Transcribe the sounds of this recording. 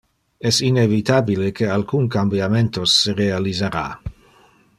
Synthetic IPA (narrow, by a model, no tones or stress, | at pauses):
ɛsinevit̪abilekealkunkambjament̪osːeɾealizeɾa̰